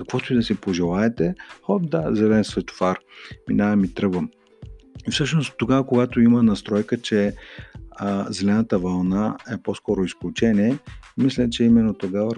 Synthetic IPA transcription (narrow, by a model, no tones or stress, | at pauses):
kɐkvɔt̪oid̪ɐsipoʒɛlˠaɛt̪ɛxɔbd̪azɛlɛnsvɛt̪o̥faɾminaɛmit̪ɾɤɡvəm | ifsɤʃnost̪ːoɡavəkoɡat̪oimənɐst̪ɾɔjkət͡ʃɛ | zɛlɛnət̪əvɐlˠnaɛposkɔɾoisklʲut͡ʃɛniɛmislʲɛt͡ʃɛimɛnːot̪oɡavə